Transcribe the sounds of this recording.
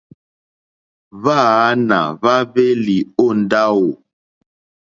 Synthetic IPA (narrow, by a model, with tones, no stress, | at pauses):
va˦˨a˦na̰˨va˦ve˦li˨o˦˨nda˦wo˨